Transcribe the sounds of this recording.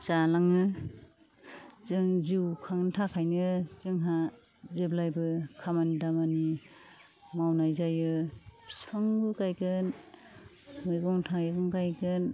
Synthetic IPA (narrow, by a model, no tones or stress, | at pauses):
t͡ʃalaŋɯ | zɯŋziwkʰaŋntʰakʰajnɯzɯŋɦa | zeblajbɯkʰamandamani | mawnajzajɯpʰspʰaŋbɯkajɡɯn | muɡɔŋtʰaeɡɔŋkajɡɯn